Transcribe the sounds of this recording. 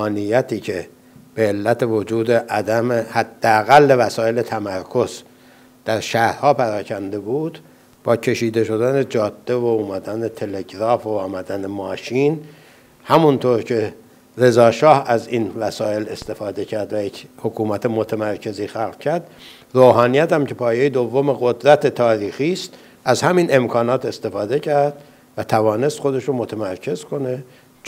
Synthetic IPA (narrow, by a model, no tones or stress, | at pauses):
ɒːnijæt̪ʰiːcʰe | b̥eːlːæt̪ʰe̞vod͡ʒuːd̪e̞ʔæd̪æmehæd̪̥ːeæɣælːevæsɒːe̞le̞t̪ʰæmæɾkʰo̞z̥ | d̪̥æɾʃæhɾhɒːpʰæɾɒːcʰænd̪e̞buːd̪ | b̥ɒːcʰe̞ʃiːd̪e̞ʃo̞d̪æne̞d͡ʒɒːd̪̥ːe̞vouːmæd̪ænet̪ʰe̞le̞ɟɾɒːfoɒːmæd̪ænemɒːʃin | hæmunt̪ʰoɾcʰe̞ | re̞zɒːʃɒːhæziːnvæsɒːe̞le̞st̪e̞fɒːd̪e̞cʰæɾd̪væjechokʰuːmæt̪ʰemot̪ʰæmæɾcʰe̞ziːxælʁcʰæɾd̪̥ | roːɦɒːnijæt̪æmcʰe̞pʰɒːjejed̪ovːomeɣod̪ɾæt̪ʰe̞t̪ʰɒːɾiːxiːst̪ | ʔæzhæmiːne̞mkʰɒːnɒːt̪ʰe̞st̪e̞fɒːd̪e̞cʰæɾd̪̥ | væt̪ʰævɒːne̞st̪xod̪e̞ʃɾomot̪ʰæmæɾcʰe̞zkʰo̞ne̞